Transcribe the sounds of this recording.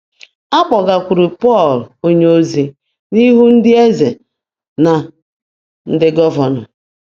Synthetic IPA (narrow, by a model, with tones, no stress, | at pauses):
a˦k͡pɔ˨ɡa˨kʷu˨ɾi˨pɔ˦˨lo˦ɲe˦o˦zi˦ | ni˦ɦu˦n̩˦dɪ˦e˦ze˨ | na˨ | n̩˦dɪ˦ɡɔ˦va˨nɔ˨